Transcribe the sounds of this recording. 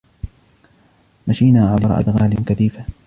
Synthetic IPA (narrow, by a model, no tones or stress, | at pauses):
maʃiːnaːʕalɑɾ̰ˤʔa̰d̪ɣaːlɪnkaθiːfa